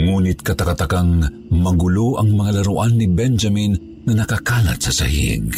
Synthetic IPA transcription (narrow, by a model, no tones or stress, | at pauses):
ŋuːnɪt̪̚kɐt̪ɐkat̪ɐkaŋ | mɐɡʊloʔɐŋmɐŋalaɾʊʔanːibɛnd͡ʒɐmin | ŋɐnɐkakaːlɐ̰t̪̚sɐsɐ̰hḭɡ